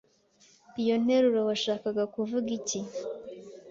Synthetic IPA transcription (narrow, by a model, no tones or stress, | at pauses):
pijo̞n̥e̞ɾuɾowaʃaːkaɡakuvuɡici